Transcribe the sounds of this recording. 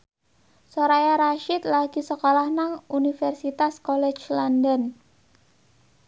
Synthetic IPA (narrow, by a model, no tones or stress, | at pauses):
soɾajaɾaʃɪt̪laɡ̥i̤səkolahnaŋunifɛrsit̪askɔlɛ̥t͡ʃlɔndən